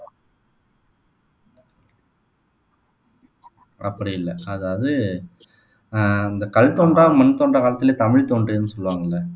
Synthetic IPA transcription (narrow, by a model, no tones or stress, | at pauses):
ɐpːɐɽɪjɪlːɐɐðaːɐðɯ | ɪnd̪ɐkɐɭt̪oːɳɖraːmɐnɯt̪oːɳɖrɐkaːlɐt̪ːɪleːt̪ɐmɪɻt̪oːɳɖɾiːnːɯsɔlːʋaːŋɡɐɭːɐ